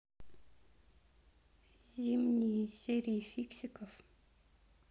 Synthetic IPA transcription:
zimniseɾifiksikɔf

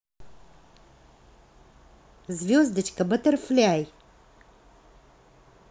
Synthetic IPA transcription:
zvʲjozd̪ət͡ɕkabət̪əɾflaj

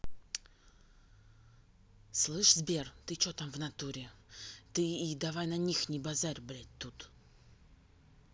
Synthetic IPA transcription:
slˠɨʂzbʲert̪ɨt͡ɕot̪amvnat̪uɾʲɪt̪ɨid̪avajnanʲixnʲɪbazaɾʲbɾʲat̚ʲt̪ːut̪

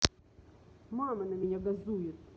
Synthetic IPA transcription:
mamɐnɐmʲɪnʲaɡɐzujɪt̪̚

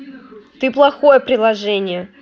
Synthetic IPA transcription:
t̪ɨplˠɐxo̞jəpɾʲɪlˠɐʐɛnʲɪjə

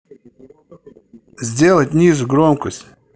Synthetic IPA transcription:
zʲdʲelˠətʲnʲizuɡɾomkəsʲtʲ

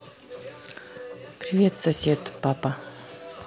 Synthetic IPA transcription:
pɾivʲet̪səsʲet̪papa

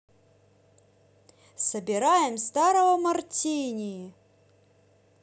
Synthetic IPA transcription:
sɐbʲɪɾajɪmst̪aɾɐvɐmɐrt͡sʲinʲii

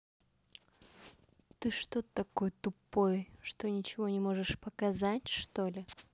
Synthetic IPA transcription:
t̪ɨʂt̪o̞t̪ət̪ːɐko̞jət̪ʊpo̞jʂt̪o̞nʲɪt͡ɕɪvo̞nʲɪmo̞ʐɨʂpəkɐzatʲʂt̪o̞lʲɪ

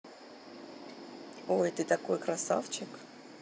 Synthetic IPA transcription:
ojt̪ɨt̪ɐko̞jkɾɐsa̰ft͡ɕɪk

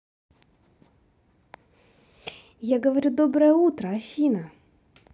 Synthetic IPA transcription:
jaɡɐʋɐɾʲud̪ɔbɾɐɛut̪ɾɐɐfʲinɐ

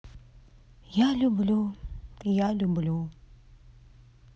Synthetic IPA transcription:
jalubəlut̪ijalubulu

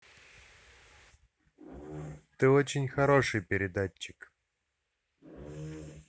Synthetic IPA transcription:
t̪ɨot͡ɕɪnʲxɐɾo̞ʂɨjpʲɪɾʲɪd̪at͡ɕːɪk

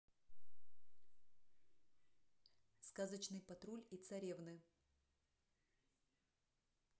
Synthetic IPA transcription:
skazət͡ɕnɨjpɐt̪ɾulʲit̪sɐɾʲevnɨ

